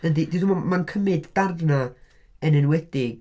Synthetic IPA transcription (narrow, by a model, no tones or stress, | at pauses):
nədidiðummankʰəmɨdd̥arvna | ənɛnwɛd̥ɪɡ̥